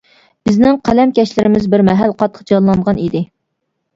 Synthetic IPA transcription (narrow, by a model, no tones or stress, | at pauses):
b̥ɪznɪŋqʰælɛmkʲɛʃlɪɾɪmɪzbɪɾmɛɦælqɑt̪ʰːə̥qd͡ʒɑnlˠɑɴʁɑnid̪ɪ